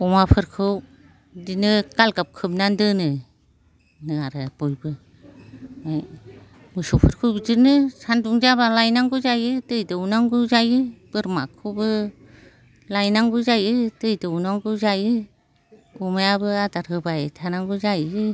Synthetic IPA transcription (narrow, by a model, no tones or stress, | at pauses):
ɔmapʰɯɾkʰɯw | dinɯɡ̥alɡap̚kʰɯmnandɯnɯ | nɯaɾɯb̥ɔjbɯ | maj | mɯsɔpʰɯɾkʰɯwbizɯnɯsanduŋzabalajnaŋɡuzajɯtɯjdɯunaŋɡuzajɯb̥ɯɾmakʰɯbɯ | lajnaŋɡuzajɯtɯjdɯunaŋɡuzajɯ | umajabɯadaɾhɯbajtʰanaŋɡuzajɯ